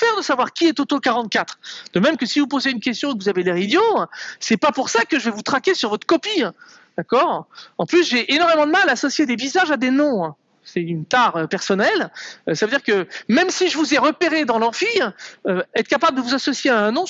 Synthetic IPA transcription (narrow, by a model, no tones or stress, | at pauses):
fɛʁd̪əsavwaʁkʲiɛt̪ot̪okaʁɑ̃t̪̚kat̪χd̪̥əmɛmkəsivupozeynkʲɛst̪jɔ̃ukvuzavelɛʁid̪josɛpapuʁsakəʒəvɛvut̪χakʲesyʁvɔt̪χkɔpĩ | d̪̥akɔːʁɑ̃plys̬ʒeʔenɔʁmemɑ̃d̪əmalaːsɔsjed̪evizaʒad̪enɔ̃ɛ̃ | sɛynt̪aʁøpɛʁsɔnɛløsavəød̪iʁkəmɛmsiʒəvuzɛʁəpeʁed̪ɑ̃lœʁfiøɛt̪χkapabləd̪əvuzasɔsjeaɛ̃nɔ̃